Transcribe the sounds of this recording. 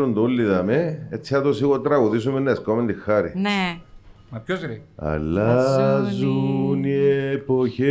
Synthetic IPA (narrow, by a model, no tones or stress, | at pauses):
ɾond̪oulːiðɐmeet̪t͡sːiɐt̪osiɣot̪ɾɐɣuðis̬umenːɐeskomend̪ixːɐɾḭne | mɐpçozɐ̰lːazuniepoçe